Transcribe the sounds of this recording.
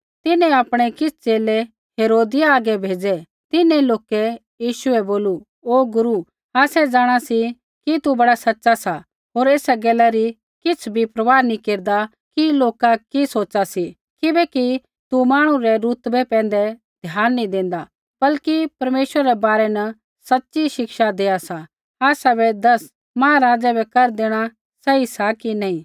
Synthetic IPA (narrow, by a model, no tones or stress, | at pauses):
t̪ɪnɛ̃aːpɽ̃ekɪsʰt͡ʃeːle | ɦeːɾoːd̪ɪjaaːɡɛbʱeːd͡ʒɛ | t̪ɪnɛ̃loːkɛ | jiːʃʊɛboːlu | oːɡʊɾu | aːsɛd͡ʒaːɽ̃asi | kit̪ubɐɽasɐtːʃasa | ɦoːɾeːsɛɡɛːlaɾi | kɪt͡sʰbʱipɾɐʋaːnĩkeːɾd̪a | kiloːkakisoːt͡ʃasi | kɪbɛki | t̪umaːɽ̃ũɾɛɾut̪bɛpɛ̃ːn̆d̪ɛ | d̪ʱjaːnːĩd̪ẽːn̆d̪a | b̥ɐlkipɐɾmeːʃwəɾaɾɛbaːɾɛnɐ | sɐtːʃiʃɪkʃad̪eːasa | aːsabɛd̪ɐs | mãːɾaːd͡ʒabɛkɐɾd̪eːɽ̃a | sɛisakinaːĩ